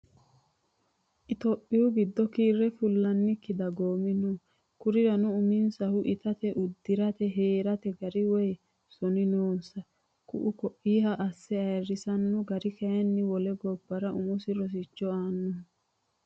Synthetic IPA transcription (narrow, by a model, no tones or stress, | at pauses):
ʔɪt̪ɔpʼːɪhʊɡɪd̪ːɔkiːrːɛfʊlːɐnːɪkːɪd̪ɐɡoːmɪnu | kʊɾɪɾɐnʊʊmɪnsɐhʊʔɪt̪ɐt̪ɛʔʊd̪ːɪɾɐt̪ɛɦeːɾɐt̪ɛɡɐɾɪwɔj | sɔnɪnoːnsɐ | kʊ̰ʔʊkɔʔːiːɦɐʔɐsːɛɐjrːɪsɐnːʊɡɐɾɪkɐjɐnːɪwɔlɛɡɔbːɐɾɐʔʊmʊsɪɾɔs̬ɪt͡ʃːɔaːnːʊ